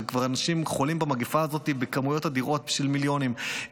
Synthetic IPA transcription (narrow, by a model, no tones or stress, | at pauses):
kvaʁanaʃimχolimbamaɡifaːzo̞t̪ibekamujo̞t̪ad̪iʁo̞t̪̚biʃvilmiljo̞nim